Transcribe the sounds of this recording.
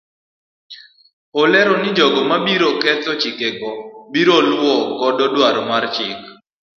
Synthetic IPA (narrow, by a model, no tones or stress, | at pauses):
olɛɾɔnɪd͡ʒɔɡɔmabiɾɔkɛt̪ɔt͡ʃɪkeɡɔbiɾolwɔkɔdɔdwaɾɔmart͡ʃɪk